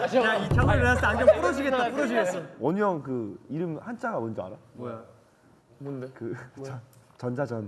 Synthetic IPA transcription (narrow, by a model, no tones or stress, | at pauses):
jaikʰʌŋeas͈ʰankʰʌp͈uɾʌd͡ʑiɡe̞tt͈apuɾʌd͡ʑiɡeʌɲʌŋkɯiɾɯmhant͡ɕ͈ʰaɡamʌnd͡ʑʌa̰ɾa | kɯ | t͡ɕʌnd͡ʑad͡ʑʌn